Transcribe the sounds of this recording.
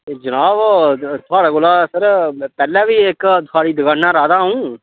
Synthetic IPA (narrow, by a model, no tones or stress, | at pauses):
d͡ʒənaːʋt̪ʰʊaːɽaːɡolaːsəɾpɛːlɛːʋiːɪkt̪ʰʊaːɽiːd̪əɡənnãːɾaːd̪aːɦũː